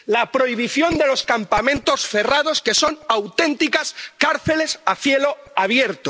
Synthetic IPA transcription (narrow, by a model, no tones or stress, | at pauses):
lapɾo̞iβ̞iθjo̞nd̪e̞lo̞skampamẽ̞nt̪o̞sfe̞rað̞o̞ske̞so̞nawt̪e̞nt̪ikaskaɾθele̞saθjelo̞aβ̞je̞ɾt̪o